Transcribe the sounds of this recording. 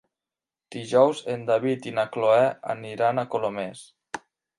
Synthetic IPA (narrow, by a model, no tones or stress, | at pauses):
d̪̥iʒɔwzend̪aβit̪inakloɛa̰niɾanakolomes